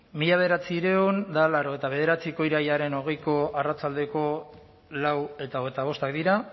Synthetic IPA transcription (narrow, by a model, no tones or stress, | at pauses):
miʎaβe̞ð̞eɾat͡siɾeond̪alaɾo̞e̞t̪aβe̞ð̞e̞ɾat͡siko̞iɾajaɾe̞no̞ɣe̞jko̞arat͡sald̪e̞ko̞ | lawe̞t̪aoɣet̪aβ̞o̞st̪akd̪iɾa